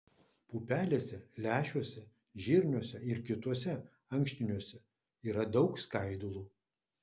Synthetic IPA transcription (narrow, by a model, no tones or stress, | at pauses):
puːpʲæːlʲeːsʲɛlʲæːʃʲuɔsʲɛ | ʒʲɪːɾʲnʲuɔsʲɛɪɾkʲɪt̪uɔsʲɛ | ɐŋʲkʲʃʲt̪ʲɪnʲuɔsʲɛ | iːɾɐd̪ɒʊkskɐɪd̪ulˠuː